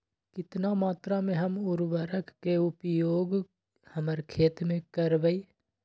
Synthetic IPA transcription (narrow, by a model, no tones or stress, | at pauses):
kɪt̪namaːt̪ɾamẽɦəmʊɾʋəɾəkːeʊpjoːɡ | həməɾkʰeːt̪mẽkəɾʋəiː